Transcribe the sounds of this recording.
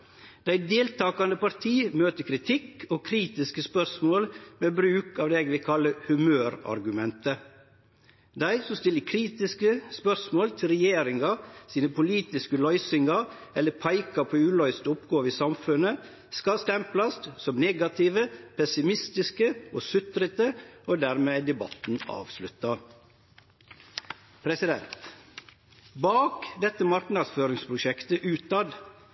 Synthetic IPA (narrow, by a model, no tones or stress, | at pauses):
d̪̥æɪd̪eːlt̪ʰɑːkɑnd̪əpɑɾt̪ʰiːmøːt̪əkʰɾɪt̪ʰɪkoːkʰɾiːt̪ɪskəspœɾsmoːlmeːbɾʉːkɑːʋd̪eːɛɡʋɪkʰɑləhʉmøːɾɑ̰ɾɡʉmɛnt̪ə | d̪æɪsɔmst̪ɪlːəkʰɾiːt̪ɪskəspœɾsmoːlt̪ʰɪlɾɛjeːɾɪŋɑsiːnəpʊliːt̪ɪskəlœʏsɪŋɑɛlːəpʰɑɪkɑpʰoːʉːlœʏst̪ʊpɡoːʋiːsɑmfʉnə | skɑst̪ɛmplɑst̪sɔmnɛːɡɑt̪ʰɪːʋəpʰɛsɪmɪst̪ɪskəʔoːsʉt̪ɾət̪əʔoːd̪æːɾmeːd̪ɛbɑ̰t̪n̩ɑ̰ːʋslʉt̪ːɑ | pʰɾɛsɪd̪ɛ̰nt̪ | bɑːkd̪ɛt̪ːəmɑɾknɑd̪sføːɾɪŋspʰɾʊʃɛkt̪əʔʉːt̪ɑd̪